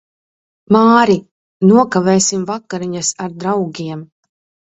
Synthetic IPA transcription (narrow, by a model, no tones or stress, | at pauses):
maːɾi | nuɔkavɛːsimvakːaɾiɲasaɾd̪ɾawɡʲiɛm